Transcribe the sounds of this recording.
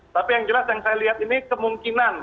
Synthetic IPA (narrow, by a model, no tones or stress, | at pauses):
t̪apijaŋd͡ʒəlasjaŋsajaliɦat̪inikəmuŋkinan